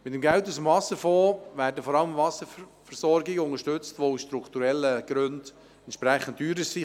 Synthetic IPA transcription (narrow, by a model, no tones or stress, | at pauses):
mɪtəmɡɛltusəmvɑsəfoːʋæːɾdəfɔɾɑləmvɑsəfɛɾsɔɾɡɪɡəʊŋəʃtɵt͡stʋousʃtɾukt̪uɾɛlːəɡ̥ɾʉnd | ɛnt̪ʃpɾɛχən̩t̚dyːɾəsi